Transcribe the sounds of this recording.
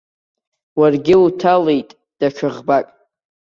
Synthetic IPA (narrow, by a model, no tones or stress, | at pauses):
warɡʲɪutʰalejtʼ | d̥at͡ʃʰʊʁbakʼ